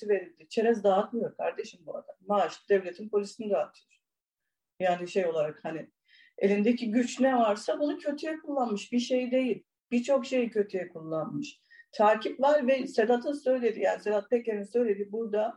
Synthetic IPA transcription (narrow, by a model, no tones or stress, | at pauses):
ive̞ɾilʲd̪it͡ʃʰe̞ɾɛzd̪aːat̪mɯjo̞ɾkʰaɾd̪eʃimbua̰d̪ammaʃt̪ɯd̪ɛvlʲe̞t̪ʰinpʰo̞lʲisiniɾaɦat̪ʰɯjoɾ | jaːniʃe̞jo̞lˠaɾakhanɪ | e̞̰lʲind̪eciɟyt͡ʃnɛvaɾsabunucʰø̞t̪ʰyjɛkʰulˠːanmɯʃbiʃe̞jid̪e̞jilʲ | b̥it͡ʃʰo̞kʃe̞jicʰø̞t̪ʰyjɛkʰulˠːanmɯʃ | t̪ʰaːcʰipvaɾvɛset̪ʰat̪ʰɯnsø̞jlʲe̞d̪ijaːnised̪at̪̚peceɾʲinsø̞jlʲed̪ibuɾd̪a